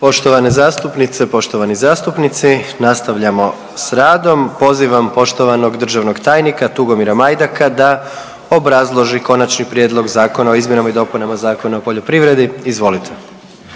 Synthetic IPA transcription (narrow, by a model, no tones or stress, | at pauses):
po̞ʃt̪o̞ʋanezaːst̪upnit̪sepo̞ʃt̪o̞ʋanizaːst̪upnit̪sinast̪aʋʎamo̞ | sɾaːd̪o̞mpo̞ziʋampo̞ʃt̪o̞ʋano̞ɡd̪r̩ʒaʋno̞ɡt̪aːjnikat̪uɡo̞miɾamajd̪akad̪a | o̞bɾazlˠo̞ʒiko̞nat͡ʃnipɾjeːd̪lˠo̞ɡzaːko̞nao̞izmje̞namaid̪o̞punamazaːko̞naopo̞ʎopɾiʋɾe̞d̪iizʋo̞lit̪ʰe̥